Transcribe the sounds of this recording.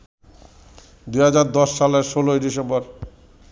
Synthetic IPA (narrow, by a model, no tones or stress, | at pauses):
d̪uɦad͡ʑaɾd̪ɔʃːaleɾʃoloed̪iʃemboɾ